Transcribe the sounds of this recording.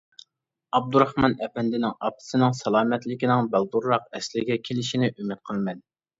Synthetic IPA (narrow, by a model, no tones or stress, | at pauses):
ɑb̚d̪uɾɑhmɑnɛpɛnd̪ɪnɪŋɑp̪̚ʰɨ̥sɨnɪŋsɑlˠɑːmɛt̪lɪkʲinɪŋbælˠd̪uɾːɑqɛslɪɡʲɛkʲʰelɪʃinɪʔymɪt̪̚qʰəlˠmɛn